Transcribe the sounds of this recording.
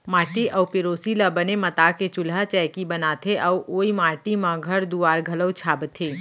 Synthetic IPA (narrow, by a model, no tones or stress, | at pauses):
maːʈiɐwpɪɾoːsiləbənemɐt̪aːket͡ʃʊlat͡ʃɛːkibɐnaːt̪ʰeʔɔwʔoːimaːʈimãɡʱɐɾd̪uaːɾɡʱɐləwt͡ʃʰaːbt̪ʰeː